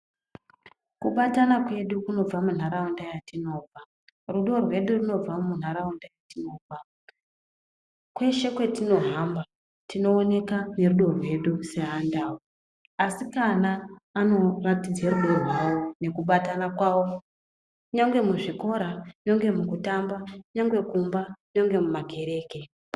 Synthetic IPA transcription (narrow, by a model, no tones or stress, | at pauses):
kuɓatanakwe̞ɗukuno̞b͡vamun̤aɾaundajatino̞ːb͡va | ruɗo̞rwe̞ɗuruno̞b͡vamun̤aɾaundajatino̞ːb͡va | kwe̞ʃe̞kwe̞tino̞ɦamba | tino̞ːne̞kane̞ruɗo̞rwe̞ɗuse̞ɦandaːwo | asikanaːno̞ratid͡zeɾuɗo̞rwawo̞ne̞kuɓatanakwawo̞ | kuɲaŋɡwe̞muʐiko̞ɾaɲo̞ŋɡe̞mukutambauɲaŋɡwe̞kumbaɲo̞ŋɡe̞mumaɡʱe̞ɾe̞ːke̞